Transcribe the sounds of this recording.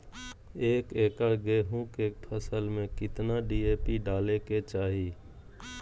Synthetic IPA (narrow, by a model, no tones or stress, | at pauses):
eːkeːkəɽɡeɦũːkeːpʰəsəlmẽkɪt̪naɖiːeːpiɖaːleket͡ʃaːɦiː